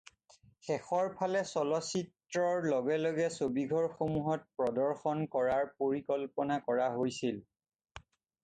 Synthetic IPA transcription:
xɛxɔɹpʰalɛsɔlɔsit | ɹɔɹlɔɡɛlɔɡɛsobiɡʱɔɹxomuɦɔt̚pɹɔdɔɹxɔnkɔɹaɹpoɹikɔlpɔnakɔɹaɦojsil

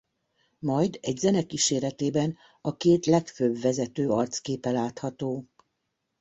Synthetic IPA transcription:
mɒjd̪ɛɟzɛnɛkiːʃeːɾɛt̪eːbɛn | ɒkeːt̪lɛkføbvɛzɛt̪øːɒrt̪skeːpɛlaːt̪hɒt̪oː

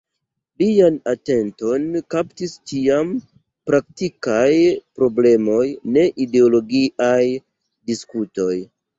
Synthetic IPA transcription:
lianate̞nto̞nkaptist͡ʃiam | pɾak̚tikajpɾo̞ble̞mo̞jne̞ʔide̞olo̞ɡiʔaj | diskuto̞j

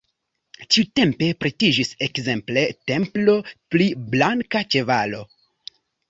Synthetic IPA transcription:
t͡ʃiute̞mpe̞pɾetid͡ʒisekze̞mple̞te̞mplo̞pliblaŋkat͡ʃe̞valo̞

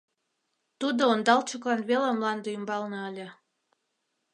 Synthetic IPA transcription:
t̪ud̪oond̪ɑlt͡ɕəklɑnβelamlɑnd̪əymbɑlnɤəlʲə̆

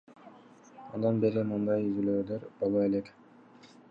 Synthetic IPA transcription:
o̰nd̪ɑnbe̞ɾimɯnd̪ɑjyzyløːd̪øɾbolˠoe̞lek

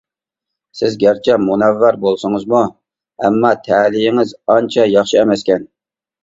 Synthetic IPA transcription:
sɪzɡʲæɾt͡ʃʰɛmunɛvːæɾbolˠsɨŋɨzmu | ɛ̰mːɑt̪ʰɛːlijɪŋɪzɑnt͡ʃʰɑjɑχʃɨɛmɛskʲɛn

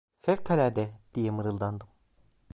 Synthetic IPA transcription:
sɛvkʰalʲæɾd̪ɛd̪̥ijɛmɯɾɯlˠd̪and̪ɯm

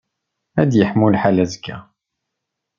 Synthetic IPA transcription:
æd̪jəħmulħalæzəɡæ̰

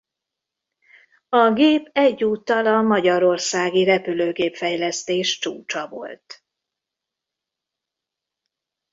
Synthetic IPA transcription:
ɒɡeːpɛɟːuːt̪ːɒlɒmɒɟɒɾo̞rsaːɡiɾɛpyløːɡeːpfɛjlɛst̪eːʃt͡ʃṵːt͡ʃɒvo̞̰lt̪

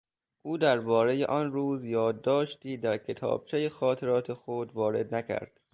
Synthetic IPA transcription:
ʔuːd̪æɾbɒːɾe̞jḛʔɒnruːzjɒːd̪ːɒːʃt̪iːd̪æɾcʰe̞t̪ʰɒ̰ːb̥̚t͡ʃʰejexɒːt̪ʰe̞ɾɒːt̪ʰexod̪vɒːɾe̞d̪næcʰæ̰ɾd̪̥

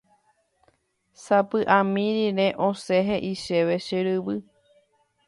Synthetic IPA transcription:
sapɨʔãmĩɾiɾe̞ʔoseɦeʔiʃe̞ʋe̞ʃɨɾɨβɨ

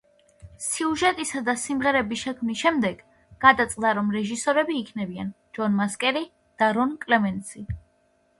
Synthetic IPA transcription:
siuʒɛt̪ʼisad̪asimʁɛɾɛbiʃɛkʰmnisʃɛmd̪ɛɡ̥ | ɡ̥ad̪at̪sʼlaɾɔmɾɛʒisɔɾɛbiːkʰnɛbian | d͡ʒɔnmaskʼɛɾi | d̪̥aɾɔnkʼlɛmɛnt̪sʰi

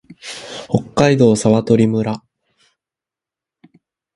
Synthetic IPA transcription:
ho̞kːaid̪o̞ːsaβat̪o̞ɾʲimɯ̟ɾa

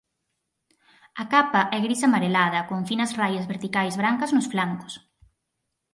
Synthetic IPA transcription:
ɐkapɐʔɛɣɾisɐmaɾelað̞ɐkoɱfinɐsrajɐzβeɾt̪ikajzβɾaŋkɐznʊsflaŋkʊ̥s

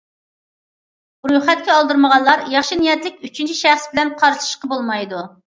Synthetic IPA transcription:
ɾujχɛt̪̚kʲɛɑlˠd̪ɨɾməʁɑnlˠɑɾjɑχʃinijɛt̪lɪkʲyt͡ʃʰynt͡ʃʰiʃæχsbɪlɛnqʰɑɾʃɨ̥ʃqɑbolˠmɑjd̪u

